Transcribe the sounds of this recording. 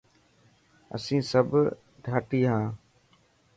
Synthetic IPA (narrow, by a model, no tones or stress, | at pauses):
ə̰sĩːsəbʱ | ɖʱaːʈiːɦãː